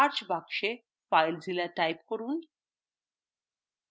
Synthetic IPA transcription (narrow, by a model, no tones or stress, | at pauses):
aɾt͡ɕbakʂe | fajld͡zilaʈajp̚kəɾuːn